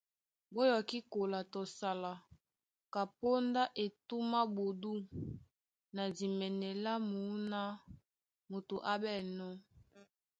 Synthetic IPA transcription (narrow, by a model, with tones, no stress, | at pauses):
bo˦jɔ˨ki˦ko˨la˨to˨sa˨la˨ | ka˨po˦nda˦ʔe˨tu˦ma˦bo˨du˦ | na˨di˨mɛ˨nɛ˨la˦mu˨˦na˦ | mo˨tu˨ʔa˦bɛ˦˨nɔ˦